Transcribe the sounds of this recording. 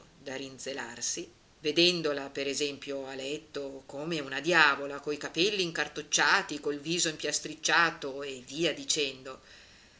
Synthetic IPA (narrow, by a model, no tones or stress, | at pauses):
d̪aɾind̪zelarsi | ved̪ɛnd̪olapeɾezɛmpjoalɛt̪ːokoːmeunad̪jaːvolakoikapɛlːiːŋkart̪ot͡ʃːaːt̪ikolviːzoimpjast̪ɾit͡ʃːaːt̪oevːiːad̪it͡ʃɛnd̪o